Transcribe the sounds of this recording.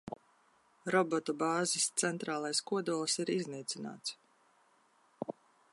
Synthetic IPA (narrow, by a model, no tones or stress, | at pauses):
ɾɔbɔt̪ɔbɑːzist̪sɛnt̪ɾaːlˠajskuɔd̪uɔlˠsiɾizniːt̪sʲina̰ːt̪s